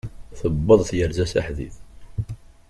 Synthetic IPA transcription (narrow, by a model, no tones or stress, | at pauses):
θəbːəðˤθjəɾzæsæ̰ħðḭθ